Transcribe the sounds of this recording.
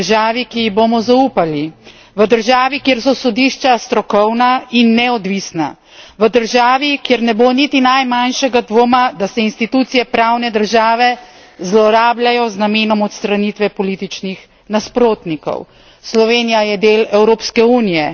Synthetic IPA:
ʒaːʋikiiɣbomɔzauːpali | ʋəd̪əɾʒaːʋikjeːɾsɔsɔd̪iʃt͡ʃast̪ɾɔkɔwnainːɛɔd̪ʋisna̰ | ʋəd̪əɾʒaːʋikjeːɾnɛbonit̪inajmanʃɛɡad̪ʋoːmad̪asɛinst̪it̪uːt̪sijɛpɾaːwnɛd̪əɾʒaːʋɛ | zlɔɾaːblajɔznameːnɔmɔt̪st̪ɾanit̪ʋɛpɔliːt̪it͡ʃnix | naspɾoːt̪nikɔ̰w | slɔʋeːnijajɛd̪eːlɛwɾoːpskɛuːnijɛ

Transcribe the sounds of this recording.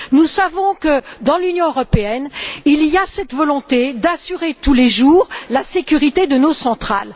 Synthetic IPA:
nusavɔ̃kəd̪ɑ̃lynjɔ̃øʁɔpeɛniliasɛt̪vɔlɔ̃t̪ed̪asyʁet̪uleʒuːʁlasekʲyʁit̪ed̪ənosɑ̃t̪χa̰l

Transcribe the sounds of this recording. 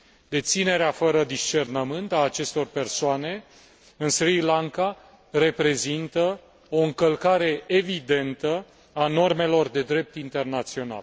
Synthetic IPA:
d̪e̞t̪sine̞ɾeafəɾəd̪ist͡ʃe̞rnəmɨnt̪aːt͡ʃe̞st̪o̞rpe̞rsoane̞ | ɨnsrilaŋka | re̞pɾe̞zint̪ə | o̞ɨŋkəlkaɾe̞evid̪e̞nt̪ə | ano̞rme̞lo̞rd̪e̞d̪ɾe̞p̚t̪int̪e̞rnat̪sio̞na̰l

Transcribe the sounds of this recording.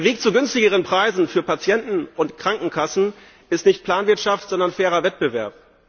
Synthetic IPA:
eɐveːk̚t͡suɡʏnstɪɡəʁ̞ənpʁ̥aɪzn̩fyːɐpat͡sjɛntn̩ʊntkʁ̥aŋkŋ̩kʰasn̩ | ʔɪstnɪçt̚pʰl̥aːnvɪɐtʃaftz̥ɔndɐnfɛːʁɐvɛt̚b̥əvɛɐp

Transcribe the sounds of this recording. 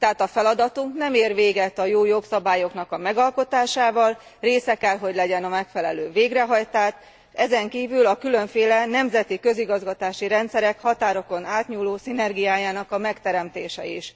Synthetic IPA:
t̪ɛɦaːt̪ɒfɛlɒd̪ɒt̪uŋknɛmeːrʋeːɡɛt̪ɒjoːjo̞ksɒbaːjo̞kn̪ɒkɒmɛɡɒlko̞t̪aːʃaːvɒlreːsɛkɛlɦo̞ɟlɛɟɛnɒmɛkfɛlɛløːveːɡrɛɦɒjt̪aːʃ | ɛzɛŋkiːvylɒkylø̞ɱfeːlɛnɛmzɛt̪ikø̞ziɡɒzɡɒt̪aːʃiɾɛnt̪sɛɾɛkhɒt̪aːɾo̞ko̞naːt̪ɲuːloːsinɛrɡijaːjaːnɒkɒmɛkt̪ɛɾɛmt̪eːʃɛ̰iʃ

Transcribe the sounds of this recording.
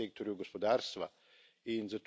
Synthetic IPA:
ek̚t̪oɾjuɡospod̪aːɾst̪ʋa | inzat̪

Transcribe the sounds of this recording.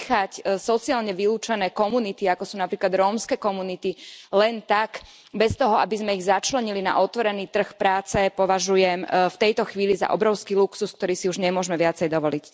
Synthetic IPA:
xacsɔt͡siaːlɲɛʋiluːt͡ʃɛnɛːkɔmunit̪iakɔsuːnapɾiːklad̪ɾɔːmskɛːkɔmunit̪ilɛnt̪ak | bɛst̪ɔɦɔabizmɛiɣzat͡ʃlɛɲilina̰ʔɔt̪ʋɔɾɛniːt̪r̩xpɾaːt͡sɛpɔʋaʒujɛmft̪ɛjt̪ɔxʋiːliza̰ʔɔbɾɔʊskiːluksusk̚t̪ɔɾiːsiuʒɲɛmʊɔʒmɛʋɪat͡sɛjd̪ɔʋɔlic

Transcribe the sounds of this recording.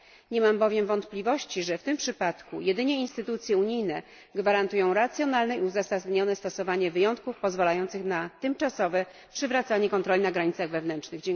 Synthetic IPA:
ɲɛmambɔvʲjɛmvɔnt̪plʲivɔɕt͡ɕiʐɛft̪ɘmpʂɘpat̪kṵjɛd̪ɘɲɛinst̪ɘt̪ut̪sʲjɛuɲijnɛ | ɡvaɾant̪ujɔ̃w̃ɾat̪sʲjɔnalnɛiuzasazɲɔnɛst̪ɔsɔvaɲɛvɘjɔnt̪̚kufpɔzvalajɔnt̪sɘxnat̪ɘmt͡ʂasɔvɛ | pʂɘvɾat̪saɲɛkɔnt̪ɾɔlʲinaɡɾaɲit̪saɣvɛvnɛntt͡ʂʂnɘɣd͡ʑɛ

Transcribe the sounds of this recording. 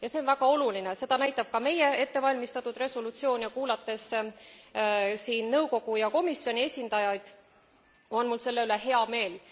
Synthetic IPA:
jɑse̞onvæɡ̥ɑo̞lulinese̞d̪̥ɑnæjt̪ːˑɑb̥̚kɑme̞jee̞t̪ːe̞vɑlʲmist̪ɑt̪ːˑud̪̥re̞solut̪sio̞ːnʲjɑkuːlɑt̪ːˑe̞s | siːnnɤwko̞ɡ̥ujɑko̞misːio̞nʲie̞sʲind̪̥ɑjɑjd̪̥ | o̞nmulse̞lːe̞yle̞ɦe̞ɑme̞ːl

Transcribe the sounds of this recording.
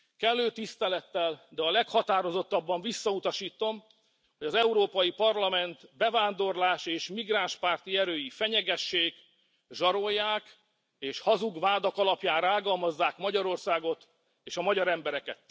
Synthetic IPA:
kɛlːøːt̪ist̪ɛlɛt̪ːɛld̪ɛɒlɛkhɒt̪aːɾo̞zo̞t̪ːɒbːɒɱvisːɒut̪ɒʃiːt̪o̞m | hoɟɒzɛuɾoːpɒjipɒrlɒmɛnt̪bɛvaːnd̪o̞rlaːʃeːʃmiɡraːnʃpaːrt̪iɛɾøːjifɛɲɛɡɛʃːeːɡ | ʒɒɾo̞jːaːk | eːʃhɒzuɡvaːd̪okɒlɒpjaːnraːɡɒlmɒzːaːkmɒɟɒɾo̞rsaːɡo̞t̪ | eːʃɒmɒɟɒɾɛmbɛɾɛkɛ̰t̪

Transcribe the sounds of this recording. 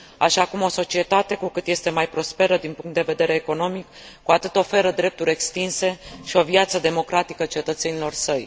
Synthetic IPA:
aʃakumo̞so̞t͡ʃie̞t̪at̪e̞kukɨt̪je̞st̪e̞majpɾo̞spe̞ɾəd̪inpuŋkt̪d̪eve̞d̪e̞ɾe̞ːko̞no̞mik | kuat̪ɨt̪o̞fe̞ɾəd̪ɾe̞p̚t̪uɾʲe̞kst̪inse̞ʃio̞viat̪səd̪e̞mo̞kɾat̪ikət͡ʃe̞t̪ət̪se̞nilo̞rsəj

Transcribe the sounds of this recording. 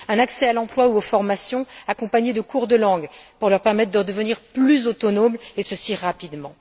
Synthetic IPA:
ɛ̃naksɛalɑ̃plwauofɔʁmasjɔ̃akɔ̃paɲed̪əkʰuʁd̪əlɑ̃ɡpuʁlœʁpɛʁmɛt̪̚χd̪əʁəd̪əvəniʁplyzot̪ɔnomlesəsiʁːapid̪mɑ̃

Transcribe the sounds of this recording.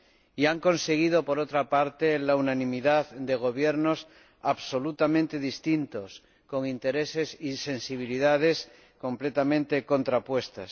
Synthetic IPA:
iaŋkõ̞nse̞ɣ̞ið̞opo̞ɾot̪ɾapaɾt̪elaunanĩmiðaðd̪e̞ɣ̞o̞β̞jeɾno̞s | aβso̞lut̪amẽnt̪e̞ðist̪int̪o̞s | ko̞ŋint̪e̞ɾe̞se̞sisẽ̞nsiβ̞iliðað̞e̞s | ko̞mple̞t̪amẽnt̪e̞kõ̞nt̪ɾapwe̞st̪as

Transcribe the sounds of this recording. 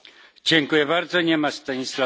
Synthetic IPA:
d͡ʑɛŋkujɛbaɾd̪zɔɲɛmast̪aɲisla

